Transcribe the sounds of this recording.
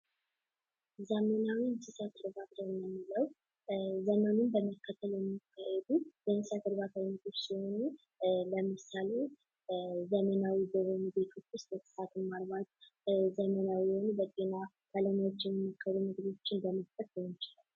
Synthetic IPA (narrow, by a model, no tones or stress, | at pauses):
zəmənawisɨsat̪ɨɾbat̪jɛmːɨmːɨləw | zəmənunbəməkːət̪ʰːəljɛmːikʰːajɛd̪ubənɨsjat̪ɨɾbat̪ʰaləmɨt̪ʰot͡ʃːsiho̞nu | ləmɨsale̞ | zəmənawibəβənube̞t̪ʰwo̞t͡ʃːwʊst̪bəsʰɨ̥sat̪ʰɨmːalβat̪ | zəmənawijhonbət̪ʼena | kʰalənwot͡ʃːjɛməmokʰːəɾumɨɡd̪o̞t͡ʃːɪnbəməst̪ʰʼət̪jɛnt͡ʃɪlal